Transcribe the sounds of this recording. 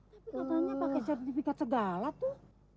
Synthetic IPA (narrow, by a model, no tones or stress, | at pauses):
at̪aɲapakɛsɛrt̪ifikat̪̚səɡalat̪uh